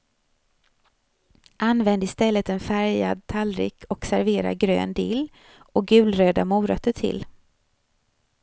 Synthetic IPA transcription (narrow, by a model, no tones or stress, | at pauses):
ʔanvɛnd̪əɪst̪ɛlːət̪ɛnfæɾja̰d̪̚t̪ʰalɾɪ̰kʰɔksæɾveːɾa̰ɡɾø̰ːnd̪ɪːl | ɔk̚ɡʉ̟ːlɾøːd̪amuːɾœt̪ʰːəʈʰɪ̰l